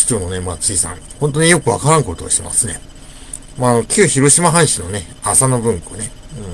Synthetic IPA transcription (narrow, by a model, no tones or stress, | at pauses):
i̥t͡ɕoːno̞ne̞mat͡sɨisã̰ŋhõnt̪onɲijo̞kɯ̟βa̰kaɾãŋko̞t̪o̰ːɕt̪ema̰sɨne̞̰ | maːno̞kʲʰɨːçiɾo̞ɕimaɦãɰ̃ɕino̞ne̞ | asano̞bɯ̟̃ŋko̞̰ne̞ɯ̟̃ɴ